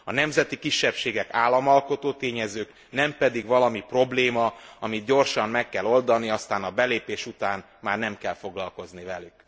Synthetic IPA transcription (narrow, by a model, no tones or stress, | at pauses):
ɒnɛmzɛt̪ikiʃːɛpʃeːɡɛkaːlːɒmɒlko̞t̪oːt̪eːɲɛzøːk | nɛmpɛd̪iɡʋɒlɒmipro̞bleːmɒɒmid̪ɟo̞rʃɒmmɛkːɛlo̞ld̪ɒniɒst̪aːnɒbɛleːpeːʃut̪aːn | maːrnɛmkɛlfo̞ɡlɒlko̞znivɛlyk